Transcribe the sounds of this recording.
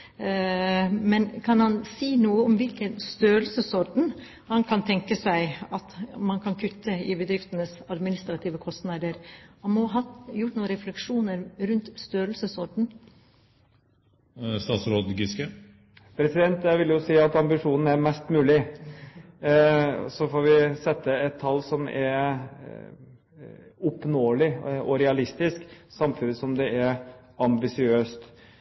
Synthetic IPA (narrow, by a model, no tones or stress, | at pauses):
mɛnkʰɑnhɑnsiːnuːəɔmʋɪlkənst̪øːɾəlsəsɔɾɖɳ̩ | hɑnkʰɑnt̪ʰɛŋkəsæɪɑt̪mɑnkʰɑnkʰʉt̪ːəɪbəd̪ɾɪft̪ənəsɑd̪mɪnɪst̪ɾɑt̪ʰiːʋəkʰɔst̪nɑd̪əɾhɑnmoːɦɑjʊʈːnuːəɾɛflɛkʂuːnəɾɾʉnt̪st̪øːɾlsəsɔɾɖɳ̩ | st̪ɑːt̪sɾoːd̪ɡɪskə | pʰɾɛsɪd̪ɛnt̪jæʋɪljʊsiːɑt̪ɑmbɪʂuːnn̩æɾmɛst̪mʉːlɪ | sɔfoːɾʋɪsɛt̪ːəɛt̪ʰːɑlːsɔmɛ̰ɾ | ʊpnoːlɪʔɔɾɛɑlɪst̪ɪsksɑmfʉnːəsɔmd̪ɛʔæɾ | ɑmbɪsɪøːst̪